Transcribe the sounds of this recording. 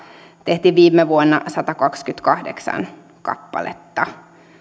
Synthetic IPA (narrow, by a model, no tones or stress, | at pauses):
t̪eht̪iːʋʋiːmːeʋuonːɑ̰sɑt̪ɑkɑkskyt̪kɑhdeksɑ̰n | kɑ̰pːɑ̰lʔḛt̪ːɑ